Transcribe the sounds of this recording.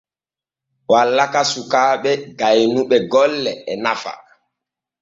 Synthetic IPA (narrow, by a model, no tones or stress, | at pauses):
walːakasukaːɓɛɡajnuɓɛɡɔlːɛɛnafa̰